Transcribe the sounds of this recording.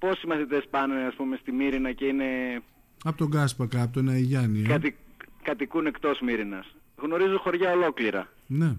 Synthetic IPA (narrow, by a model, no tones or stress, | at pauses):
po̞simɐθit̪e̞spɐneɐspume̞st̪imiɾinɐce̞ine̞ | ɐpot̪o̞ɡɐspɐkɐpot̪onɐiʝɐniɐɐt̪ikɐt̪ikune̞kt̪o̞smiɾinɐs | ɣno̞ɾizuxo̞ɾʝɐo̞lo̞kliɾɐ̰ | ne̞